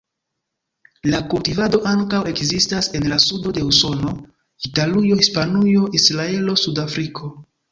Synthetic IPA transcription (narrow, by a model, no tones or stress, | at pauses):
lakultivado̞ʔaŋkawe̞kzistase̞nlasudo̞de̞uso̞no̞ | italujo̞hispanujo̞ʔisɾae̞lo̞sudafɾikʰo̞